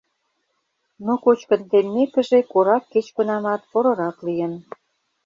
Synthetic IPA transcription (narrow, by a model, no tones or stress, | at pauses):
nokot͡ɕkə̆nt̪emːekə̆ʒekoɾɑkːet͡ɕkə̆nɑmɑt̪̚poɾɤ̆ɾɑklijən